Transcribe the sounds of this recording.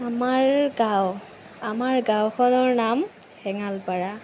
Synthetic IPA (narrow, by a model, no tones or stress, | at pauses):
amaɹɡaw | amaɹɡawkʰɔnɔɹnam | hɛŋalpaɹa